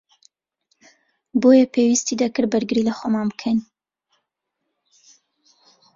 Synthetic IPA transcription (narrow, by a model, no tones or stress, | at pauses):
bojɛpʰewist̪id̪ɐkɨɾbɨɾɡɨɾilɐxomaːnbɨkʰɐn